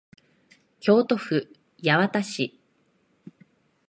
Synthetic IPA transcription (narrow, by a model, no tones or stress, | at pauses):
kʲo̞ːt̪o̞ɸɯ̟ | jaβat̪aɕi